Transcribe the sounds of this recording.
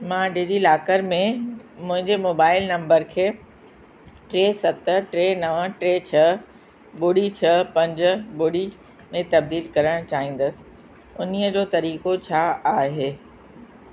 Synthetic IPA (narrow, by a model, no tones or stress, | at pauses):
mãːɖɪd͡ʑilaːkəɾmẽmʊ̃ɦɪ̃ɲd͡ʑemoːbaːɪlnɐ̃mbəɾkʰeː | ʈɾeːsɐt̪ʈɾeːnɐʋəʈɾeːt͡ɕʰɐ | bʊɽit͡ɕʰɐpɐ̃ɲd͡ʑ̆bʊɽi | mẽt̪ɐb̚d̪iːlkɐɾəɽ̃t͡ɕaːɦĩːn̆d̪əsɪ̥ | ʊniəd͡ʑoːt̪ɐɾiːkot͡ɕʰaːaːɦeː